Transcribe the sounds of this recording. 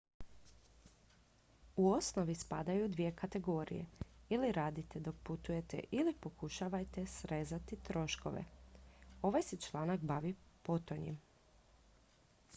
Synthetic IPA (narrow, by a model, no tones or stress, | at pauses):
uo̞sno̞ʋispad̪ajud̪ʋije̞kʰat̪e̞ɡo̞ːɾḭje̞̰iliɾaːd̪it̪ed̪o̞k̚put̪uje̞t̪ḛʔilipo̞kuʃaʋajt̪e̞sɾezat̪it̪ɾo̞ʃko̞̰ʋḛ | o̞ʋajset͡ʃlˠaːnakbaʋipo̞t̪oɲḛm